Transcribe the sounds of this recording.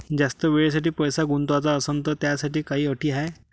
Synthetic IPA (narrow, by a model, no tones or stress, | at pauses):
d͡zast̪əʋeɭes̬aʈiːpəjsaɡunt̪ʋat͡saəsənt̪ət̪jasaʈiːkaɦiːəʈʰiːɦaej